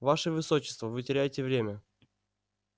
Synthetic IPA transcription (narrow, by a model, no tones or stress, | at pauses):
vaʂɨvɨsot͡ɕːɪ̥st̪vəvɨtʲɪɾʲæjɪtʲɪvɾʲemʲə